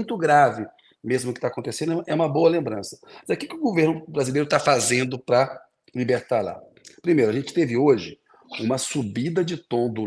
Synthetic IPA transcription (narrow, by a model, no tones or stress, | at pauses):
j̃t̪ʊɡɾavɪ | mezmʊkɪ̥t̪akõnt̪esẽnd̪ʊɛʔɛũmɐboɐlẽmbɾɐ̃sɐ̥zekɪkɪʊɡoveɾnʊbɾazilejɾʊt̪afazẽnd̪ʊpɾɐ | libeɾt̪aɾla̰ | pɾimejɾʊaʒẽnt͡ʃɪ̥t̪evɪoʒɪ | ũmɐsubid̪ɐd͡ʒɪt̪õd̪ʊ